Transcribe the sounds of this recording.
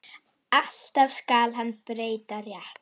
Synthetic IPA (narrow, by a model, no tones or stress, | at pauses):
aɬtavskaːlˠɦanb̥ɾejd̪aɾja